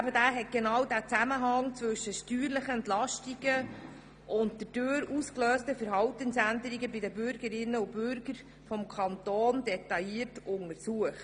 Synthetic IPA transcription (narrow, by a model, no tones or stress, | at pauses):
bədæːɦɛt̚ɡ̥enɑwdæːt͡sæməɦɑŋt͡sʋɵʃəʃtyːɾləχəɛntlɑʃtiɡə | ʔʊntd̥əd̥øːɾuskløːstəfəɾɦɑwtənsændəɾiɡəbɪdəbʏɾɡəɾɪnːəub̥ʏɾɡ̥əɾ | fɔmkʰɑntoːndɛtɑjiːərtʊŋəsuəχt